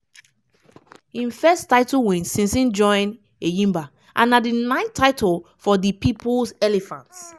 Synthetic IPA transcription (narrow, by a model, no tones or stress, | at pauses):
hĩnfɛstaɪtulwɛ̃nsĩnsĩnd͡ʒɔ̃ɪ̃n | ejĩmba | ʔã̰nːadinãɪ̃tʰːaɪtɔl | fɔdipipulsɛlɛfãnts